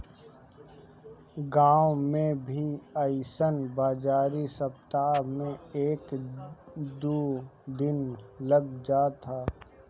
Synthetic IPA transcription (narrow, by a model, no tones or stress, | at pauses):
ɡãːwmẽbʱiəɪsənbaːd͡ʒaːɾisəpt̪amẽeːk | d̪uːd̪ɪnləɡd͡ʒaːt̪ʰaː